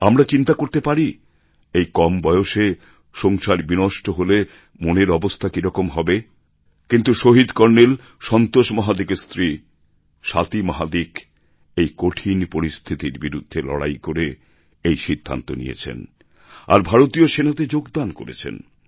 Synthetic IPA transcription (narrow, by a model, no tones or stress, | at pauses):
amɾat͡ɕint̪akoɾt̪epaɾi | ejkɔmbɔeoʃe | ʃɔŋʃaɾbinɔʃʈoɦole | moneɾɔbost̪ʰakiɾɔkomɦɔbe | kint̪uʃoɦid̪kɔɾnel | ʃɔnt̪oʃmɔɦad̪ikest̪ɾi | ʃat̪imaɦad̪ik | ejkoʈʰinpoɾist̪ʰit̪iɾbiɾud̪ʱːelɔ̰ɽa̰jkoɾe | ejʃid̪ʱːa̰nt̪onḭjḛt͡ɕʰḛn | a̰ɾbʱaɾot̪ioʃenat̪ed͡ʑoɡd̪anko̰ɾḛt͡ɕʰḛn